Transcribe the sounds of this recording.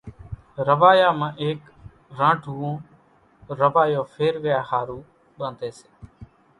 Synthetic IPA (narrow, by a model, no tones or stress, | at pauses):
ɾəʋaːjaːmãːʔeːk | ɾãːʈʰuːũː | ɾəʋaːjõːfʰeːɾʋɪjaːhaːɾũː | ɓə̃nd̪eːseː